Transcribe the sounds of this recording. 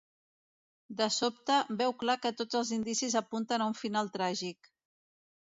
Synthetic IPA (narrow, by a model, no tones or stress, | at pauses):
d̪əsop̚t̪əbɛwklakət̪od͡zəlˠzind̪isizəpunt̪ənauɱfinalˠt̪ɾaʒik